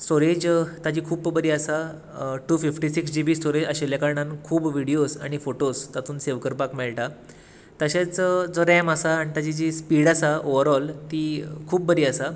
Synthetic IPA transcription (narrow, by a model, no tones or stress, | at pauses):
sʈoɾed͡ʑt̪ad͡ʑiːkʰuːbbəɾiːasa | ʈuːfifʈisiksd͡ʑibiːsʈoɾed͡ʑaɕeljakaɾɳãnkʰuːbʋiɽijosaɽ̃ifoʈost̪at̪uːnseʋkəɾpakmɛɭʈa | t̪əɕat͡sd͡zɔɾɛməsaːɽ̃it̪ad͡ʑid͡ʑiːspiɽasaoʋəɾɔlt̪iːkʰuːp̚bəɾiːasa